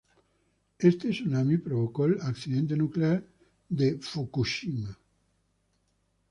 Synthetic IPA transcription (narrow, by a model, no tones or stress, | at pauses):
est̪esunamipɾoβ̞okolaksiðent̪̬enukleaɾ | d̪efukuʃima